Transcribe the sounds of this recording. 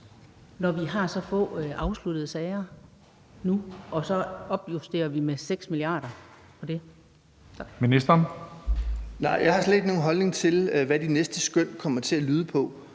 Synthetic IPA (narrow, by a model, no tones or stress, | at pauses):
nɒʋiɦɑ̈sɒ̽fɔ̰̽ːʔɑ̈ʊslud̥əð̩ˠsɛɪɐ | nuɒ̽sɒ̽ɒ̽b̥jusd̥e̝̰ːɐʋimeseɡ̥smiliɑ̰̈ːɾ̥ɐ | pʰɒ̽d̥e̝ | minisd̥ɐn | nɑ̈ɪ̰jɑ̈ɪhɑ̈sle̝d̥no̝ːn̩ɦɒ̽lne̝ŋt͡sʰe̝lʋæd̥inesd̥əsɡ̥øn̰kʰɒ̽m̰ɐt͡sʰe̝ælyːð̞ˠəpʰɒ̽